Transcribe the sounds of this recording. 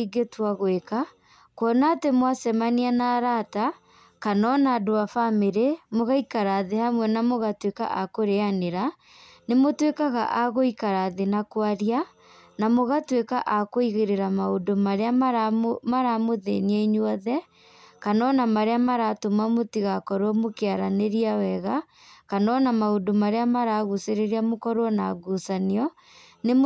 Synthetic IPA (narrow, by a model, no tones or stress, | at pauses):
iɡetwaɣweka | kwɔnatemwasɛmanianaɾata | kanɔnaːdoafameɾemoɣaikaɾaðehamwɛnamoɣatweka̰ʔakoɾeaneɾa | nemotwekaɣa̰ʔaɣoikaɾaðenakwaɾia | namoɣatweka̰ʔakoiɣeɾeɾamaodomaɾeaamaɾamoðḛniɛiɲwɔðɛ | kanɔnamaɾeamaɾatomamotiɣakɔɾwɔmokeaɾaneɾiawɛɣa | kanɔnamaodomaɾeamaɾaɣuseɾeɾiamokɔɾwɔnaɡusaniɔ | ne